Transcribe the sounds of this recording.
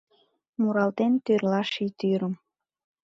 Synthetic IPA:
muɾɑlt̪ent̪yrlɑʃit̪yɾəm

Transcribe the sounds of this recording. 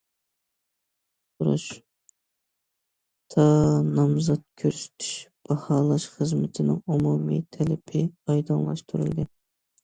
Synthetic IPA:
uɾṵʃ | t̪ʰɑnɑmzɑt̪̚kʲʰøɾsy̥t̪ʰy̥ʃb̥ɑhɑːlˠɑʃχəzmɪt̪ʰɪnɪŋumumḭt̪ʰɛlɪpʰɪɑjd̪ɑnlˠɑ̰ʃt̪ʰuɾy̰lˠd̪ɪ

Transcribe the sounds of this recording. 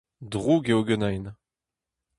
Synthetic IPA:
dʁuɡeoɡənajn

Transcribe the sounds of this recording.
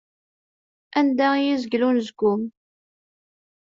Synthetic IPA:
ænd̪æjizəɡlunzəɡʊm

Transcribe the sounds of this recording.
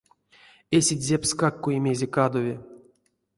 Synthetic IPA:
esʲidʲzʲepskakːuimʲezʲekad̪ovʲe

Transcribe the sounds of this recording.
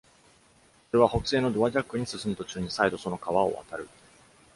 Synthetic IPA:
so̞ɾe̞β̞aho̞kɯ̟se̞ːno̞d̪o̞βaʑakːɯ̟ɲ̟isɨsɨmɯt̪o̞t͡ɕɨːɲ̟isaid̪o̞so̞no̞kaβao̞̰βa̰t̪aɾɯ̟

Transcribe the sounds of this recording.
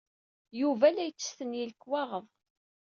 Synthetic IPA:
juvælæjt͡sːə̥sθənjilkːwɑʁəðˤ

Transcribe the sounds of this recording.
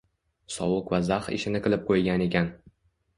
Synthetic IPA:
sɒwʊkvazaχɪ̰ʃɪnɪqɨlˠɪp̚qʰojɡʲane̞kʲan

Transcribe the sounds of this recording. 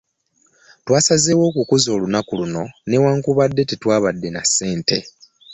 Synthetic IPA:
twaːsazeːwo̞ːkukuzo̞ːlunakuluno̞ne̞waːŋkuβadːe̞titwaːβadːe̞nasːe̞ːnte̞

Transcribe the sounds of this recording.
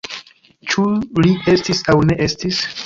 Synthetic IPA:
t͡ʃulie̞stisawne̞ʔe̞stis

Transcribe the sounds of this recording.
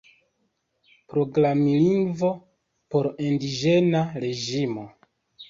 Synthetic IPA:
pɾo̞ɡlamiliŋɡvo̞ | po̞ɾindid͡ʒe̞naɾe̞d͡ʒimo̞

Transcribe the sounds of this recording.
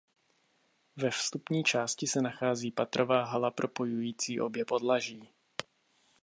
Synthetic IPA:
vɛfst̪upɲiːt͡ʃaːscɪsɛnaxaːziːpat̪ɾovaːɦalapɾo̞po̞jujiːt͡siːʔo̞bjɛpo̞dlaʒiː

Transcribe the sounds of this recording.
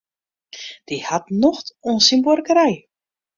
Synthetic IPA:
d̥ihatnɔxtɔnsimbɔrkəɾɛj

